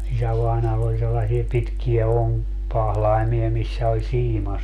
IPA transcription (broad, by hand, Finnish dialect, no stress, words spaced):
isæʋɑˑinɑːlː olʲ selːɑsie pitkiæ oŋkpɑhlɑimiɑ misːæ olʲ siːmɑ